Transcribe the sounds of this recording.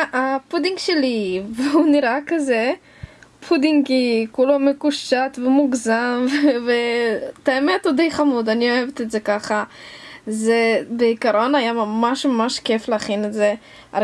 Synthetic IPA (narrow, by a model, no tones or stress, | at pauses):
ʔapud̪iŋɡʃelivehuniɾakaze | pʰud̪iŋɡkikulomekuʃatvemuɡzamvvetaemet̪ud̪ejχamud̪anioevet̪eze̞kaχa | zebeikaɾo̞najamamaʃmamaʃkefleaχineze | a